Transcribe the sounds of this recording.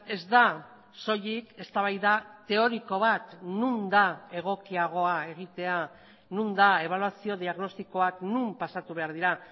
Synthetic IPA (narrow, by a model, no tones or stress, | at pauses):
e̞zd̪a | so̞ʎike̞st̪aβ̞ajðat̪e̞o̞ɾiko̞β̞at̪nund̪ae̞ɣ̞o̞kiaɣ̞o̞ae̞ɣ̞it̪e̞a | nund̪ae̞β̞alwasio̞ðiaɣno̞st̪iko̞aknumpasat̪uβe̞aɾðiɾa